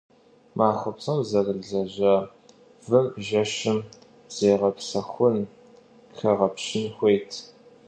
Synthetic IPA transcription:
mʔaːxʷʊpsɐwzɐrɨɮɮɐʑɐ | vɨmʒɐʃɪm | z̥eːʁɐpsɐxʷʊn | xʰɐʁɐpɕɪnxʷejtʰ

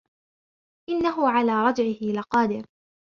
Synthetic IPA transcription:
ʔɪnːaɦʊʕalaːɾˤɑd͡ʒʕɪɪlɪqɑːd̪ɪɾ

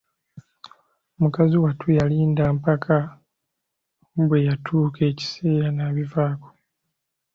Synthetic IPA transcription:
mukaziwatʰujaliːndaːmpakʰa | βwe̞jatʰuːkʰe̞ːci̥se̞ːɾanaːβivaːko̥

